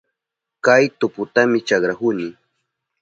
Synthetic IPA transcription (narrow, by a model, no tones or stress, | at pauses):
kajt̪ʊpʊt̪amɪt͡ʃɑkɾakʊnɪ